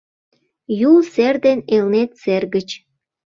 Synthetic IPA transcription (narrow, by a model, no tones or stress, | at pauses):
julserd̪enelnet̪serɣət͡ɕ